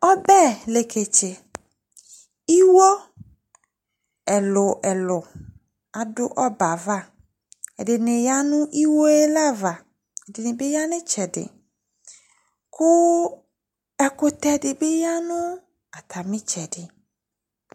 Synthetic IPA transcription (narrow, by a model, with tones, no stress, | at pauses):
ɔ˦bɛ˦˨le˨kʰe˨t͡ʃɪ˨ | i˦wɔ˦ | ɛ˨lʊ˨ʔɛ˨lʊ˨ | a˨dʊ̰˦ʔɔ˦ba˨va˦˨ | ɛ̰˨dɪ˨nɪ˨ja˦nʊ̃˦ʔi˦wo˦e˦la˦˨va˨ | ɛ˨dɪ˨nɪ˨bɪ˦ja˦nɪ˦t͡ʃɛ˨dɪ̰˨ | kʰʊ˦ | ɛ˦kʊ˨t̪ɛ˨dɪ˨bɪ˦ja˦nʊ˦ | a˨t̪ʰa˨mɪ̃˦t͡ʃɛ˨dɪ˨